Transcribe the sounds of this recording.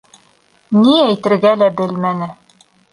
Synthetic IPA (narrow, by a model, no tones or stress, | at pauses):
niæjt̪ɘ̆ɾɡælæbɘlmænɘ